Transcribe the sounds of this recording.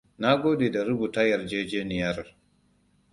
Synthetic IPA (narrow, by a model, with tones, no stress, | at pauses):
na˦ɡoː˦ɗi˨da˨ɾu˦bu˨ta˦ja˨ɾd͡ʒe˦d͡ʒeː˦ni˨ja˦ɾ